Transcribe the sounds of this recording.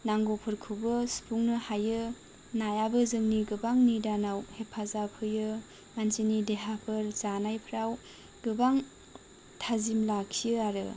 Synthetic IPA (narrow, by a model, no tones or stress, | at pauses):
naŋɡopʰɯɾkʰubɯspʰuŋnɯhajɯ | najabɯzɯŋniɡɯbaŋnidanawhepʰazapʰɯjɯ | mansinideɦapʰɯɾzanajpʰɾaw | ɡ̥ɯbaŋ | tʰazimlakʰijɯaɾɯ̰